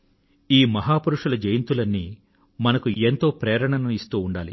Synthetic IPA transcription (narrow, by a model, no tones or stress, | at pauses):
iːmɐɦaːpuɾuʂɐlɐd͡ʒejɐnt̪ulɐnːi | mɐnɐkuent̪o̞ːpɾɛːɾɐɳɐnɐist̪uːɳɖaːlḭ